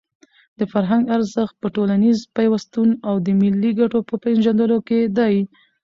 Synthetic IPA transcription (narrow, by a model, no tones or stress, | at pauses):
d̪̥əfaɾɦaŋɡaɾzəxt̪̚pəʈolanizpajwast̪unawd̪əmilːiɡaʈopəpenʒand̪əloked̪aj